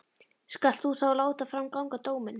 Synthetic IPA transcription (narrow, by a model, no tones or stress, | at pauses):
skal̥t̪θuθawlaːwt̪afɾawmkawŋkat̪oːwmɪn